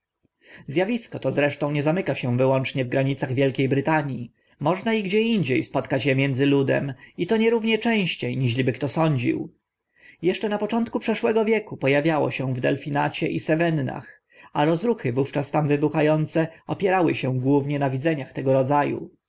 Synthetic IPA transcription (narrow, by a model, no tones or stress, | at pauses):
zʲjavʲiskɔt̪ɔzɾɛʂt̪ɔ̃w̃ɲɛzamɘkaɕɛ̃vɘwɔnt͡ʂɲɛvɡɾaɲit̪saɣvʲjɛlkʲejbɾɘt̪aɲji | mɔʐnaiɡd͡ʑɛiɲd͡ʑejspɔt̪kat͡ɕjɛmʲjɛnd̪zɘlud̪ɛ̰mit̪ɔɲɛɾuvɲɛt͡ʂɛ̃w̃ɕt͡ɕejɲiʐlʲibɘk̚t̪ɔsɔɲd͡ʑḭw | jɛʂt͡ʂɛnapɔt͡ʂɔnt̪kupʂɛʂwɛɡɔvʲjɛkupɔjavʲjawɔ̰ɕɛ̃vd̪ɛlfʲinat͡ɕɛʔisɛvɛnːa̰x | aɾɔzɾuxɘvuft͡ʂast̪amvɘbuxajɔnt̪sɛɔpʲjɛɾawɘɕɛ̃ɡwuvɲɛnavʲid̪zɛɲaxt̪ɛɡɔɾɔd̪zajṵ